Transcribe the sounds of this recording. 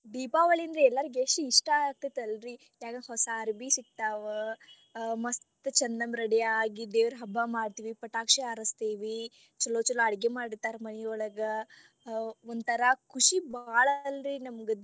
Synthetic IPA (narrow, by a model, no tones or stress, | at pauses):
d̪iːpaːʋɐɭiɐnd̪ɾeɛlːɐɾiɡeʂʈuiʂʈaaːk̚t̪ɐt̪ɐlɾi | jaːɡɐɦɔsaːɾbisik̚t̪aːʋɐ | mɐstt̪t͡ʃɐnd̪ɐmɾɐɽɛjaːɡid̪eːʋɐɾɦɐbːamaːɖt̪iːʋipɐʈaːkʂeɐɾɐst̪iːʋi | t͡ʃɐlːoːt͡ʃɐlɐɐɽɡemaːɽit̪aːɾmɐnɛjɔɭɐɡɐ | ond̪t̪ɐɾɐkuʂibaːɭɐlɾinɐmɡe